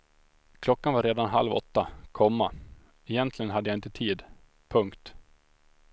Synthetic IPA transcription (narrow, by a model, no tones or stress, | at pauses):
kʰlɔkːanvaɾeːd̪anɦa̰lvɔ̰t̪ːakʰɔmːa | ɛjɛnt̪ʰlɪɡənɦad̪ːəjaɪnt̪ət̪ʰiːd̪ | pʰɵŋkt̪